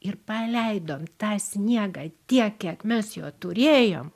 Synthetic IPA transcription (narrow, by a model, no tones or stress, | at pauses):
ɪrpɐlʲɛɪd̪oːmt̪ɑːsʲnʲiɛɡɑːt̪ʲiɛkkʲiɛkmʲɛsjoːt̪ʊɾʲeːjo̰ːm